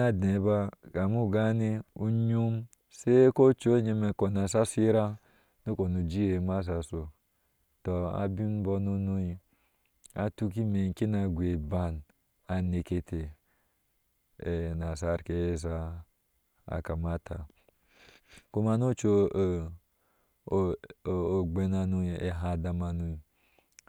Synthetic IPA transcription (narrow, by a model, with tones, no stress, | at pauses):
a˦de˨˦ba˦ka˨mu˦˨ɡa˦ne˦u˦ɲu˦m | se˦ko˦t͡ʃo˦ɲe˧me˨ko˨na˨sa˦si˦ɾa˦ | nu˦ko˨nu˨d͡ʒi˦e˨ma˦s̬a˨so˨ | to˨a̰˨bi˦n˦bo˧nu˦nu˦i˦ | a̰˨tu˦ki˦me˨ŋ˨ki˦na˨ɡʷe˨ba˨n | a˨ne˨ke˦tʰe˨ | e˨na˨sa˦ɾke˨˦e˦s̬a˦ | a̰˨ka˨ma˦tʰa̰˨ | ko˦ma˨no˦t͡ʃo˦˨ | o˨ɡ͡be˦na˨nu˦˨ḛ˨ɦa˨da˨ma˨nu˦i˨